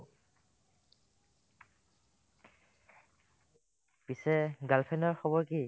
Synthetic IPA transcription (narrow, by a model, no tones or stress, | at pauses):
pisɛɡalpʰɛnɔɹxɔbɔɹki